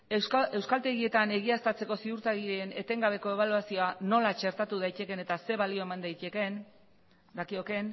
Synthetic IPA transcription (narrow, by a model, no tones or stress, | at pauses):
e̞wskalt̪e̞ɣie̞t̪ane̞ɣ̞iast̪at͡se̞ko̞siðuɾt̪aɣiɾeene̞t̪e̞ŋɡaβ̞e̞ko̞e̞β̞aluasio̞ano̞lat͡ʃe̞ɾt̪at̪uðajt̪e̞ke̞ne̞t̪ase̞βalio̞e̞mand̪ajt̪eke̞n | d̪akio̞ke̞n